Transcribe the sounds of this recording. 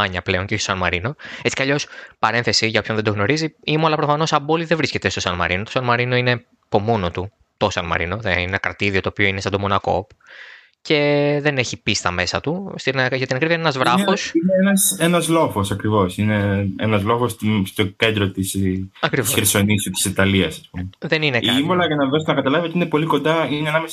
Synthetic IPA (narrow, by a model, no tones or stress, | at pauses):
ɐɲɐple̞o̞ɲceososɐnmɐɾino̞e̞t͡sikɐʎo̞spɐɾe̞nθe̞siʝɐopçonðe̞d̪o̞ɣno̞ɾiziimuɐlɐpɾo̞fɐno̞sɐbo̞liðevɾisce̞t̪e̞st̪o̞sɐnmɐ̰ɾinot̪o̞sɐnmɐɾino̞ine̞ | po̞mo̞no̞t̪u | t̪o̞sɐnmɐ̰ɾino̞ðeinenɐkɾɐt̪iðio̞t̪oːpioinest̪ɐnd̪omo̞nɐko̞̰p | ce̞ðe̞neçipist̪ɐme̞sɐt̪ust̪inɐʝɐt̪inɐkɾivɐinenɐzvɾɐfosineenɐsenɐzlo̞fo̞sɐkɾivo̞sine̞enɐzlo̞fost̪st̪ocend̪ɾot̪isɐkɾiviosçeɾso̞nisut̪i̥sit̪ɐliɐsɐspumeðe̞nineiɐimbolɐʝɐnɐðost̪enɐkɐt̪ɐlɐveot̪ine̞po̞liko̞nd̪ɐinenɐme